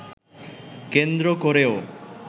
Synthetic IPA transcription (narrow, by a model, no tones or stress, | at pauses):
kend̪ɾokoɾeo